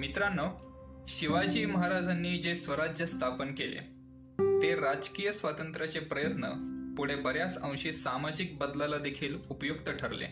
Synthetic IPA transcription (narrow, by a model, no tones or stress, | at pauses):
mit̪ɾanːə | ɕiʋad͡ʑeməɦaɾad͡zanːiːd͡ʑesʋəɾad͡ʑjəst̪ʰapənkelḛ | t̪eɾad͡ʑkiːjəsʋat̪ənt̪ɾat͡sepɾəjət̪nə̰puɽ̤ebəɾjat͡sə̃w̃ɕiːsamad͡ʑik̚bəd̪lalad̪ekʰiːlupjoɡt̪əʈʰəɾlḛ